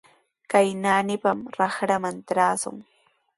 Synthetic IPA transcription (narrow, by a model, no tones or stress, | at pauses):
kajnaːnɪpamɾɑχɾamant̪ɾaːsʊ̰ŋ